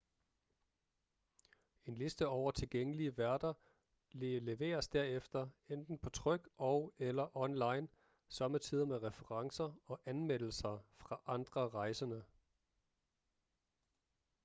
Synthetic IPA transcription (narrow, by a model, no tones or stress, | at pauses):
e̝nle̝sd̥əɒʊɐt͡sʰe̝lɡ̥eŋ̰əliəʋæɐd̥ɐ | lele̝ʋe̝̰ːɐsd̥æɐefd̥ɐend̥n̩pʰɒ̽t͡sʰʁœɡ̥ʔɒʊelɐʔɒ̽nlɑ̈ɪn | sɒ̽mət͡sʰið̞̰ˠɐmeʁɛfəʁɑ̈ŋsɐɒ̽ʔænmel̰l̩sɐfʁɑ̈ʔɑ̈nd̥ʁɐʁɑ̈ɪsɐnə